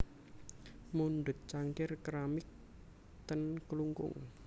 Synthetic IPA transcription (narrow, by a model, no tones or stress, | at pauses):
munɖ̪ʊ̤t̪̚t͡ʃaŋkɪrkɾamɪk̚ | t̪ənkluŋkʊ̰ŋ